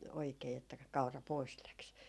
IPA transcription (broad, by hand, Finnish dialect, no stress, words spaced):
oikeː etːæ kɑ kɑurɑ pois læks